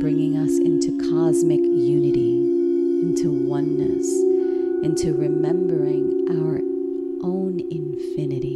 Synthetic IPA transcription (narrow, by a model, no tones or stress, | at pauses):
b̥ɹɪ̃ŋɪ̃ŋʌsɪ̃ntʰʉkʰɑzmɨkjʉnɨɾi | ɪ̃ntʰuwʌ̃nːɨ̰s | ɪ̃ntʰʉɹɨmɛ̃mbə˞ɪ̃ŋʔaʊə˞ | ʔõʊ̃n | ɪ̃ɱfɪ̃nɨɾi